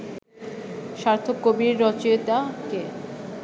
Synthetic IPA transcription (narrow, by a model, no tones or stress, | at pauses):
ʃaɾt̪ʰokobiɾːɔt͡ɕeet̪ake